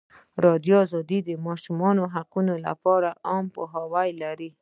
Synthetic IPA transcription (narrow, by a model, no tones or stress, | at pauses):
ɾɑd̪joːzɑd̪id̪əmɑʃumɑnoɦaqunola̰pɑɾaʔɑmpo̰ɦɑwajlaɾi